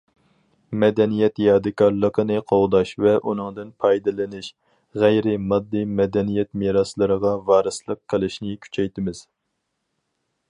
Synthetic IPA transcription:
mɛd̪ɛnijɛt̪jɑːd̪ɨkʰɑɾlˠəqʰənɨqʰowd̪ɑʃvɛʔunɨŋd̪ɨnpʰɑjd̪ɨlɪnɪʃ | ʁæjɾɪmɑd̪ːɨmɛd̪ɛnijɛt̪meɾɑslˠɨɾəʁɑvɑːɾɨslˠəqʰːəlˠɨʃnɪkʲʰy̥t͡ʃʰɛjt̪ɪmɪz̥

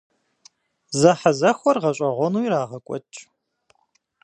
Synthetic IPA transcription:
zɐħazɐxʷɔrʁɐɕʷʼɐʁʷɔnuːiɾaːʁɐkʷʼɔ̰t͡ʃʼ

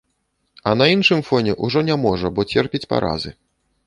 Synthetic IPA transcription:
ɐnɐinʂɨmfɔnʲɛʔuʐɔnʲamɔʐɐbɔt͡sʲɛrpʲit͡sʲpa̰ɾʔa̰zɨ

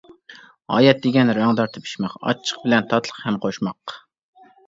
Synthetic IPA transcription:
ɑ̰ːjɛt̪̚d̪ɪɡʲɛnɾɑŋd̪ɑɾt̪ʰɨpʰi̥ʃmɛqɑ̰t͡ʃʰːə̥q̚bɪlɛnt̪ʰɑt̪ʰlˠə̥qhɛmqʰoʃmɑq

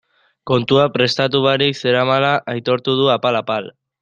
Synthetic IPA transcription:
ko̞nt̪uapɾe̞st̪at̪̬uβaɾikse̞ɾamalaʔːjt̪o̞ɾt̪uð̞uapalapal

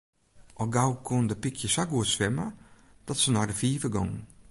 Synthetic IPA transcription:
ʔɔɡawkʰɔndəpɪkʰjəsaɡuətsʋɛmə | d̥ɔtsənɔɹdəfiːvəɡɔ̰ŋ

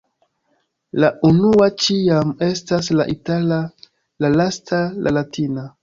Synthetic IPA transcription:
laʔunuat͡ʃiame̞staslaʔitala | lalastʰalʔalatʰina

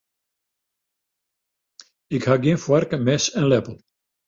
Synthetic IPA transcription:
ɪkhaːɡinfwarkəmɛsɛnlɛpəl̩ˠ

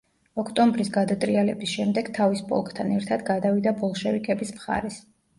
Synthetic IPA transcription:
ɔkʰt̪ʼɔmbɾisɡad̪at̪ʼɾialɛ̰bisʃɛmd̪ɛɡt̪ʰavispʼɔ̰lˠkʼt̪ʰanɛɾt̪ʰad̪ɡad̪avid̪abɔlˠʃɛvikʰɛbismχa̰ɾɛs

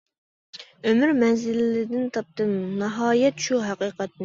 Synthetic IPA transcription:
ømyɾmɛnzɪlːɪd̪ɪnt̪ʰɑp̚t̪ɨmnɑɦɑːjɛt̪ʃuɦæqiːqɛt̪̚nɪ

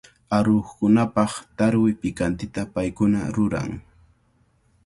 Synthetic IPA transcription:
aɾoχkʊnapɑχt̪aɾwɪpɪkant̪ɪt̪apajkʊna̰ɾʊɾa̰ŋ

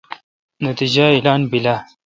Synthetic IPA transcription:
nat̪id͡ʒailɑːnbila

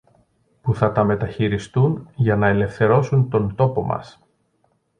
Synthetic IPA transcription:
puθɐt̪ɐme̞t̪ɐçiɾist̪unʝɐnɐe̞le̞fθe̞ɾo̞sunt̪o̞nt̪o̞po̞mɐ̰s

